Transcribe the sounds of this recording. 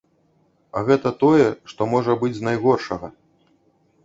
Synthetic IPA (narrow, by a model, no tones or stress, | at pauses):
ɐɣɛt̪ɐt̪ɔjɛʂt̪ɔmɔʐɐbɨd͡zʲznajɣɔrʂɐɣɐ